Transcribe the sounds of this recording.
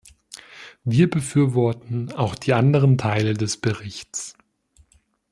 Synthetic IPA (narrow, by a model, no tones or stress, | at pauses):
viːɐbəfyːɐvɔɐtn̩aʊxd̥iːʔandəʁ̞əntʰaɪlədɛsb̥əʁɪçt͡s